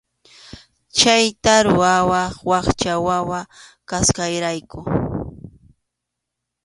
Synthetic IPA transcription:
t͡ʃajt̪aɾʊawɑχwɑχt͡ʃawawakaskajɾajkʊ

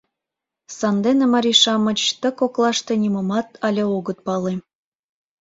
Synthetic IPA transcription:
sɑnd̪enemɑɾʲiʃɑmət͡ɕt̪ə̆koklˠɑʃt̪ĕnʲiməmɑt̪ɑlʲeoɣət̪̚pɑle

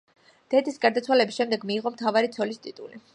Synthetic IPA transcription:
d̪̥ɛd̪ʰisɡaɾd̪at̪sʰwalɛbisʃɛmd̪ɛɡmiːʁɔmt̪ʰavaɾit̪sʰɔlist̪ʼit̪ʼuli

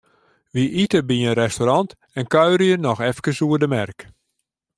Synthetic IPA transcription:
ʋiʔitəbiənrɛstoɾɑnt | ɛnkœɥɾəjənɔxɛfkəsuərdəmɛrk

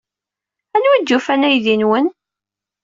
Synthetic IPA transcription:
ænwid̪ːufænæjðinwən

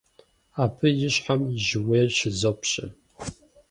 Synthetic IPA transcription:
apʰɨjɪɕħamiʒweːrʃɪzopʰɕʼɪ̰

